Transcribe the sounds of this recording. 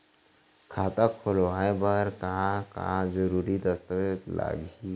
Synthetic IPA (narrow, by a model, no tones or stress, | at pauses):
kʰaːt̪akʰolwaːebəɾkaka̰d͡ʒəɾuɾid̪əst̪əʋet̪la̰ɡi